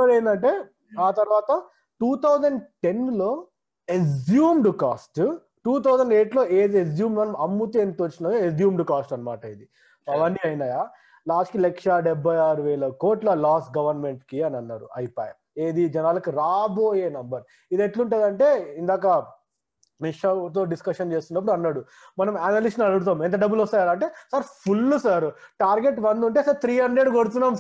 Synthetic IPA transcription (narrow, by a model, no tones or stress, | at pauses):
ɐɽeːnd̪ɐɳʈe̞ː | aːt̪ɐɾʋaːt̪ɐ | ʈuːt̪ʰɐwd͡ʒɐɳɖʈe̞nlo̞ː | ezjuːmɖkaːsʈ | ʈuːt̪ʰɐwd͡ʒɐɳɖe̞ːʈlo̞ːeːd̪iezjuːmnɐnɐmɐmːut̪ieːnt̪uʋɐt͡ʃːinɐjoed͡ʒjuːmɖkaːsʈɐnːɐmaːʈɐjid̪i | soɐʋɐɳɖiɐjnaːjaː | laːskilekʂɐɖɛbʱːɐjaːɾuʋɛːlɐko̞ːʈlɐlaːsɡɐʋɐɾnme̞ɳʈkiɐnɐnːaːɾṵɐ̰jipa̰ːjɐ̰ | e̞ːd̪id͡ʒɛnaːlɐkiɾaːbo̞ːje̞ːnɐmbɐɾ | id̪eʈluɳʈɐːd̪ɐɳʈe̞ːind̪aːk̬ɐ | niʂɐt̪oːɖiskɐʂɐnt͡ʃe̞ːst̪unːɐpːuɽuɐnːaːɽu | mɐnɐmaːnɐlisʂʈnɐɽuɽut̪̬aːment̪ɐɖɐbːulɔst̪aːjaːɾɐɳʈe̞ːsaɾpʰulːusaːɾʈaːɾɡeʈʋɐnd̪uɳʈeːsɐɾt̪ʰɾiːɦɐɳɖɾe̞ɖɡoɽut̪̬unːaːm